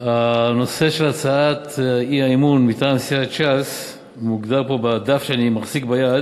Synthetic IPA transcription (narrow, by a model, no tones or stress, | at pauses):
ano̞se̞ʃe̞lat͡saatiaimunmit̪aːmsiat͡ʃas | muɡd̪alpo̞bad̪afʃeanimaχzikbajad